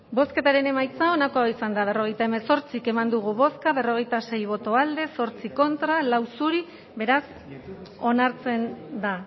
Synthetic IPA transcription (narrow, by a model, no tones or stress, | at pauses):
bo̞ske̞t̪aɾe̞ne̞majt͡sao̞nako̞aoisand̪aβ̞e̞ro̞ɣe̞jt̪aeme̞so̞ɾt͡sike̞mand̪uɣ̞uβo̞skaβe̞ro̞ɣ̞e̞jt̪ase̞jβ̞o̞t̪o̞ald̪e̞so̞ɾt͡siko̞nt̪ɾalawsuɾi | βe̞ɾas | o̞naɾt͡se̞nd̪a